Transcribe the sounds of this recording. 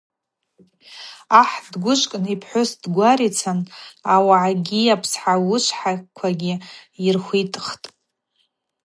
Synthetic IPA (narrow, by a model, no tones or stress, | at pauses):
aħdɡʷʊʃʷkʼnipʰħʷosdɡʷaɾit͡sʰanawaʕaɡʲiapʰsħawʊʃʷʰħakʷʰaɡʲɪirχʷitʼχtʼ